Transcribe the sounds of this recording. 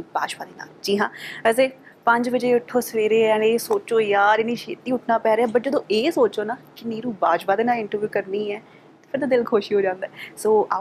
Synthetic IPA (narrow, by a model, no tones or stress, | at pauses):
baːt͡ʃpaːd̪eːna̰ːld͡ʒiːɦãːəseː | pəɲd͡ʒʋəd͡ʒeːʊʈʰːoːsəɾeːɾeːɛneːsoːt͡ʃoːjaːɾɪniːʃeːt̪iːʊʈʰnaːpɛːɾeaːbəʈd͡ʒəd̪õːʔeːsoːt͡ʃoːnaːkɪniːɾuːbaːt͡ʃpaːd̪eːnaːlɪɳʈəɾʋjuːkəɾniːɛː | t̪eːpʰɪɾd̪aːd̪ɪlkʰoːʃiːɦoːd͡ʒãːnd̪ɛːsoːa